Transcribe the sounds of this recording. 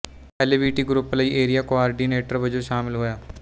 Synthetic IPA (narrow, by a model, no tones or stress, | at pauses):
ɛleʋiːʈiːɡɾupləiːʔeːɾijaːkoaːɾɖiːneːʈəɾʋəd͡ʒoːʃaːmɪlɦoːjaː